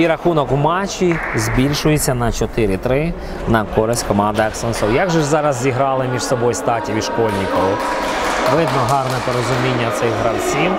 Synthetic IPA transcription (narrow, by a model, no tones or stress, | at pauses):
iɾɐxunɔkmɑt͡ʃːizbʲilʲʃʊjet͡sʲːɐnɐt͡ʃɔt̪ɪɾɪt̪ɾɪ | nɐkɔɾɪsʲtʲkɔmɑnd̪ɪɛksɔnsɔwjaɡʒɛzɑɾɐzːʲiɦɾɑlˠɪmʲiʃsɔbɔjst̪ɑtʲiʋʲiʃkɔlʲnʲikɔʋʊ | ʋɪd̪nɔɦɑrnɛpɔɾɔzʊmʲinʲːɐt̪sɪɣɦɾɐwsʲiw